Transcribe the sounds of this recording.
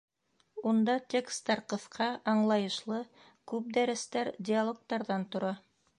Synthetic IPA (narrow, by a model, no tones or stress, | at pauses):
und̪ɑt̪ʲekst̪ɑɾqŏfqʰɑʔɑɴlˠɑjɤ̆ʃlˠɤ | kʉp̚d̪æɾɘ̆st̪æɾdʲɪalˠok̚t̪ɑɾðɑnt̪ŏɾɑ